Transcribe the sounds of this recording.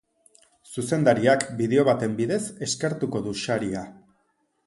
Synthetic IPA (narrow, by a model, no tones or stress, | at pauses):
suse̞nd̪aɾiakbiðe̞o̞βat̪e̞mbiðe̞se̞ske̞ɾt̪uko̞ðuʃaɾia